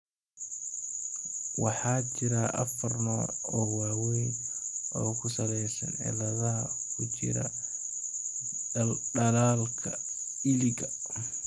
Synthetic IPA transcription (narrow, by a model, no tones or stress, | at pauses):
wɑħɑːt͡ʃɪɾɐʔɐ̰fɐrnɔːɔːwaːwɛjʔɔːkʰʊsɐlɛjsɐ̰nɛ̰lɐðɐkʰʊt͡ʃɪ̰ɾɐ | ɖɐlaːlkʰɐ | ɪlɪɡɐ